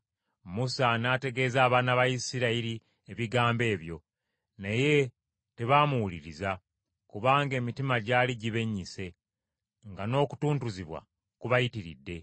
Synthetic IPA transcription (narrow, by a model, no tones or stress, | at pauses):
musanaːte̞ɡe̞ːzaːβaːnaβajisiɾaiɾi | eβiɡaːmbe̞ːβjo̞̰ | neje̞ | te̞βaːmuwuliɾiza | kuβaːŋɡe̞ːmitimaɟaːliɟiβe̞ɲːise̞ | ŋɡano̞ːku̥tuːntuziβwa̰ | kuβajitiɾḭdːe̞